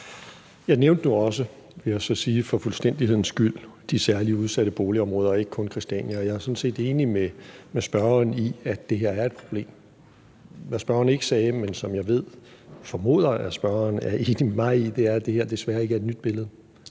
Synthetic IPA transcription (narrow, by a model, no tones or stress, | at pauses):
jɑ̈ɪneʊnd̥nuɒ̽sə | ʋe̝jɑ̈ɪsɒ̽siːfɒ̽fulsd̥en̰d̥ihe̝ð̰ˠn̩sɡ̥yl̰d̥isæɐliuð̞ˠsæɾ̥əb̥o̝ːliɒ̽mʁɔ̽ːð̞ˠɐɒe̝ɡ̥ə̥kʰɔ̽nkʰʁisd̥æ̰njæɒjɑ̈æɐsɒ̽n̩se̝̰ːd̥e̝ːnimemesb̥ɶɐɐniæ̥e̝ɦeɐ̰æɐe̝d̥̚pʰʁo̝b̥le̝̰ːm | ʋæsb̥ɶɐɐne̝ɡ̥ə̥sɛːmensɒ̽mjɑ̈ɪʋe̝ð̞̰ˠ | fɒ̽mo̝̰ːð̰ˠɐæsb̥ɶɐɐnæɐe̝ːnimemɑ̈ɪid̥e̝æɐd̥e̝heɐd̥e̝sʋæɐe̝ɡ̥æɐe̝d̥nyd̥̚b̥e̝ləð̞̩ˠ